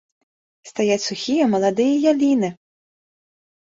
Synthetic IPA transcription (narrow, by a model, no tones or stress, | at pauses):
st̪ɐjatʲsʊxʲijɐmɔlˠɐd̪ɪjɛjɐlʲinɪ